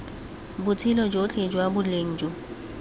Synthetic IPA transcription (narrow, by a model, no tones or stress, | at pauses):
bʊt͡sʰɪlɔd͡ʒot͡ɬʰʼed͡ʒwabʊleŋ̩d͡ʒo